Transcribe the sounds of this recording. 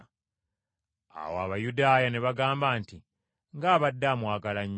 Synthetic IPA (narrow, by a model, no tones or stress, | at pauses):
a̰wa̰ːβajudaːjane̞βaɡaːmbaːnti | ŋɡaːβadːaːmwaːɡalaɲː